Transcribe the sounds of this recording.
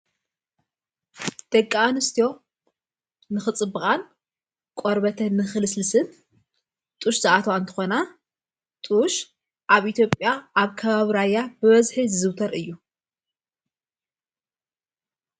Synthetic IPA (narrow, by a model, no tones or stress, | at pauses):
d̪̥ɐkʼːaanɨst̪ʰijo̞ | nɨxɨt͡sʼɨbːɨkʼan | kʷʼoɾbɐt̪ʰɐnɨxɨlɨslɨsɨn | t̪ʼuʃzɨʔat̪ʰɐwant̪ʰɨ̥xona | t̪ʼuʃ | ʔaβʔit̪ʰjo̞pʼjaaβkʰɐβaβiɾajːabɨβɐzħizɨzɨwt̪ʰɐɾʔɨjːu